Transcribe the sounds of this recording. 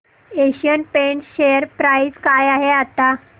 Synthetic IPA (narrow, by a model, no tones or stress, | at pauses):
eɕiənpeɳɕejəɾpɾajiskajaɦeat̪a